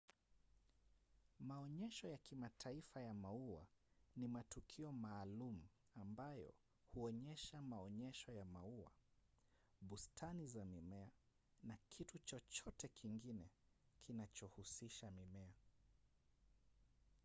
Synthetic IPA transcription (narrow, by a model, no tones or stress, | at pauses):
maɔɲɛʃɔjakimatʰaifajamaua̰nimatukʰiɔmaːlum̩ | ambajɔ̰ | huɔɲɛʃamaɔɲɛʃɔjamaua̰ | ɓustʰanizamimɛa | nakʰitut͡ʃɔt͡ʃɔtɛkʰiŋɡinɛ | kʰinat͡ʃɔhusiʃamimɛa